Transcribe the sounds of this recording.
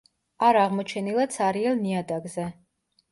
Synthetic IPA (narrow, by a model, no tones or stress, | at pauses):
aɾaʁmɔt͡ʃʰɛnilˠad̪sʰaɾiɛlˠniad̪aɡzɛ